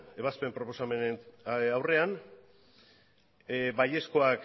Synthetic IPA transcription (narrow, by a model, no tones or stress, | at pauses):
e̞β̞aspe̞mpɾo̞po̞samenawre̞an | baje̞sko̞ak